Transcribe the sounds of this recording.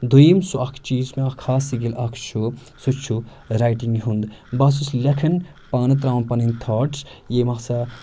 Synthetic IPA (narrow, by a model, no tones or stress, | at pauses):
d̪uimsuɐkʰt͡ʃiːzmeɐkʰhaːsiɡilɐkʰʃʰu | sut͡ʃʰu | ɾaːjʈiŋɡɦund̪bɐsuslɐkʰɐn | paːnɨt̪ɾaːnpɐnint̪ʰaːʈsjeːmɐksɐ